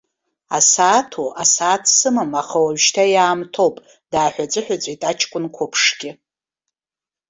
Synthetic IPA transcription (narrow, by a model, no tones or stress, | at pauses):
a̰saːtʰoʔasaːtʰsɨmamaχawaɥʃtʰajaːmtʰo̞wpʼ | daːħʷᶣat͡sʷʼɨħʷᶣat͡sʷʼitʼat͡ʃʰkʷʼʊnkʷʰʊpʰʂɡʲɪ